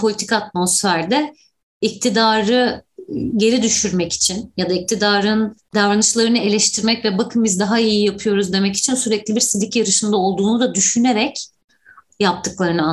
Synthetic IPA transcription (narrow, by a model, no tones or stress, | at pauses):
pʰo̞lʲit̪ʰi̥kat̪̚mo̞sfæɾd̪ɛ | ic̚t̪ʰid̪aːɾɯ | ɟe̞ɾid̪yʃyɾmɛci̥t͡ʃʰinjad̪aic̚t̪ʰid̪aːɾɯnd̪avɾanɯt͡ʃlˠaɾɯnɯe̞lʲɛʃt̪ʰiɾmɛcvɛbakʰɯmɯizd̪aɦaijijapʰɯjo̞ɾuzd̪e̞mɛci̥t͡ʃʰinsyɾɛclʲibiɾsid̪ʲicjaɾɯʃɯnd̪ao̞lˠd̪uːnud̪ad̪yʃyne̞ɾɛc | jap̚t̪ʰɯklˠaɾɯnɯa